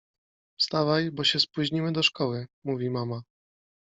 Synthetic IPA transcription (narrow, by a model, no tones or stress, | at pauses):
fst̪avajbɔɕɛspuʑɲimɘd̪ɔʂkɔwɘmuvʲimama